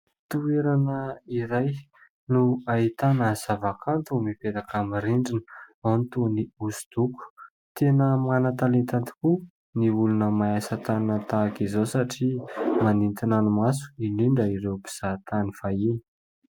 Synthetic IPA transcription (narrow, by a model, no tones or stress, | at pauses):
t̪ueɾanəiɾaj | nuait̪anəz̥avakʰant̪umipet̪akamiɾiɳɖ͡ʐinə̥ant̪uniusu̥d̪̥uku̥ | t̪enəmanət̪alent̪ant̪i̥ku | niulunəmaasat̪anət̪aːkizosaʈ͡ʂimanint̪inanimasu̥iliɳɖ͡ʐəiɾewpi̥z̥at̪aniv̥aini̥